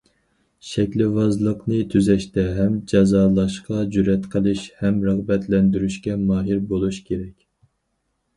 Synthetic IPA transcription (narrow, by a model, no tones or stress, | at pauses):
ʃɛkʲlɪvɑzlˠəqnɨt̪ʰyzɛʃt̪ɛɦɛmd͡ʒɑzɑːlˠɑʃqɑd͡ʒyɾɛt̪qʰəlˠɨʃhɛmɾɑʁbɛt̪ʰlɛnd̪yɾyʃkʲɛmɑːɦiɾbolˠuʃkʲʰeɾɛkʲ